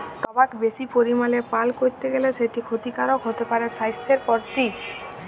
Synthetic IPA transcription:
t̪ɔbakbeʃipoɾimalepalkoɾt̪eɡeleʃeʈikʰot̪ikaɾokɦot̪epaɾeʃajst̪ʰeɾpɔɾt̪i

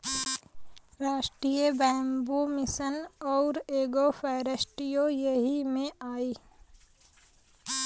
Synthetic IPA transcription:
ɾaːʃʈɾijebɛ̃ːmbumɪsənɔːɾeːɡofʰɛːɾəʃʈɾijojeɦimẽaːiː

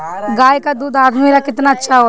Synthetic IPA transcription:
ɡaːjkad̪uːd̪aːd̪meːɾakɪt̪naɐtːʃʰaɦoː

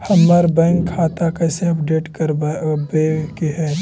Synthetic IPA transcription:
hɐmːaɾbɛ̃ːŋkʰːaːt̪akɐsepɖeːʈkɐɾbekiɦɛː

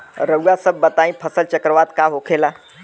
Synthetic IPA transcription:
ɾəujasəbːət̪aĩpʰəsəlt͡ʃəkɾəʋad̪kaɦokʰela

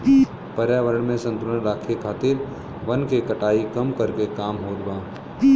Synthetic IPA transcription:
pəɾjaːʋəɾəɳmẽsə̃nt̪ʊləɳɾaːkʰekʰaːt̪ɪɾ | ʋənkekəʈaːikɐmkəɾkekaːmɦoːɾbãː

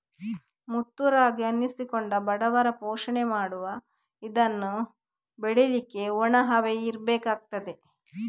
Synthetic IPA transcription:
mut̪ːuɾaːɡiɐnːisikoɳɖɐbɐɽɐʋɐɾɐpoːʂɐɳemaːɽuʋɐ | id̪ɐnːu | beɽelikːe̞ɔɳɐɦɐʋeiɾbeːkaːɡ̚t̪ɐd̪e̞

